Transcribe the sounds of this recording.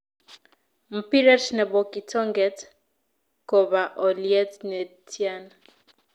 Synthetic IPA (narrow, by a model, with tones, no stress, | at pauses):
m̩˨pi˦ɾɛ˦tnɛ˨bɔkitʰɔ˦ŋɡɛt | kɔ˨βa˨ʔɔliɛ˦tnɛtʰja˦na